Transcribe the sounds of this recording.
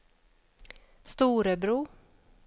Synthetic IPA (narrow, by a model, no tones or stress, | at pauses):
st̪uːɾəbɾuː